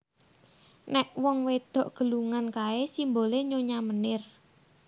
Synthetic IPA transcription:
nɛʔwɔŋwed̪̥ɔ̤ʔɡ̥ə̤luŋankaesimboleɲoɲamənɪr

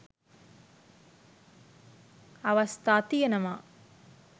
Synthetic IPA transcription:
ɐʋɐst̪aːt̪ijɐnɐma

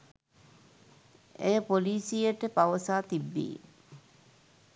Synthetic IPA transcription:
ejəpoliːsijəʈəpaʋəsaːt̪ibːḭː

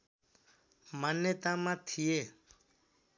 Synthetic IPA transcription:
manjət̪ãmãt̪ʰijeː

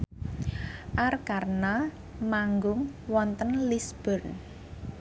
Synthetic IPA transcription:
ʔarkarna | maŋɡʊŋwɔnt̪ənlisb̥ərn

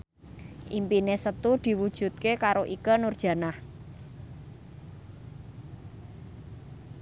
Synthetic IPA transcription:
ʔimpinesət̪ud̪̥i̤wud̥ʒ̥ṳt̪̚kekaɾoʔikənurd̥ʒ̥ä̤nah

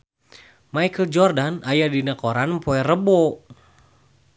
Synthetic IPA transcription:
majkəld͡ʒɔrdanajadinakoɾanpɔɛrəbɔ

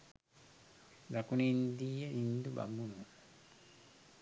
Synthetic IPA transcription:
dakunind̪ijenind̪uba̰munu

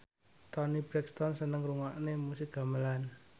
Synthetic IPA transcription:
t̪ɔnib̥ɾɛkst̪ɔnsənəŋɾuŋaʔnemusɪk̚ɡ̥a̤məlan

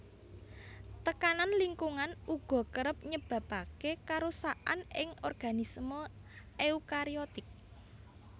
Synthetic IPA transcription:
t̪əkananliŋkuŋanuɡ̥ɔ̤kəɾəp̚ɲəb̥ä̤pakekaɾusaʔa̰nɪ̰ŋɔrɡ̥a̤nismə | ʔeukaɾiɔt̪ɪk̚

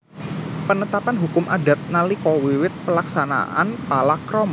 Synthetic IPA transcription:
pənət̪apanɦukʊmadat̪̚nalikɔwiwɪt̪̚pəlaksana̰ʔa̰npalakɾɔma

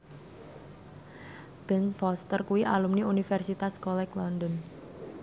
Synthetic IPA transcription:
b̥ɛnfɔst̪ərkuwiʔalumniunifɛrsit̪askɔlɛklɔndɔn

